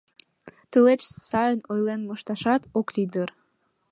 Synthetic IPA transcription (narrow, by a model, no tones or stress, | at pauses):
t̪əlet͡ɕsɑjənojlenmoʃt̪ɑʃɑt̪oklid̪ər